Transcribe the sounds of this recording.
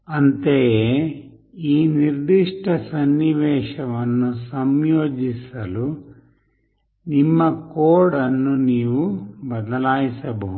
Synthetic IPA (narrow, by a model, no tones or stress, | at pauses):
ɐnt̪ee | iːniɾd̪iʂʈʰɐsɐnːiʋɛːʂɐʋɐnːusɐmjoːd͡ʒisɐlu | nimːɐkoːɽɐnːuniːʋubɐd̪ɐlaːjisɐbɐɦu